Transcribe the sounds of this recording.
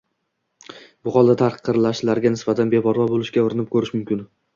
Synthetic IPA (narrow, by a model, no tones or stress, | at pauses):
bʊχɒlˠd̪at̪ʰaqɨ̥qʰːɨɾlaʃlaɾɡʲanɪsbat̪ʰanbebɒɾvɒbolɪʃkʲaʊɾɪnɪp̚kʰɵɾɪʃmʊmkʲɪn